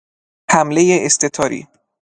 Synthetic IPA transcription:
hæmlejeʔest̪ʰet̪ʰɒːɾḭː

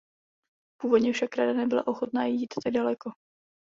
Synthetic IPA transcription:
puːvo̞dɲɛfʃakɾadanɛbɪla̰ʔo̞xot̪naːjiːt̪t̪aɡ̚dalɛko

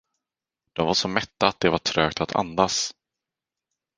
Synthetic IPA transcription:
d̪̥ɔmvaʂɔmɛt̪ːaːt̪̚d̪ɛvaʈʰɾœːk̚t̪ʰat̪ʰa̰nd̪as

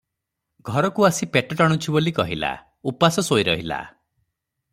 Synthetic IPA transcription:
ɡʱɔɾɔkuasipeʈɔʈaɽ̃ut͡ʃʰibolikɔɦila̰ | upasɔsojɾɔɦila̰

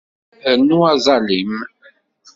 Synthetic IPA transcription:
ənːuɑzˤɑlim

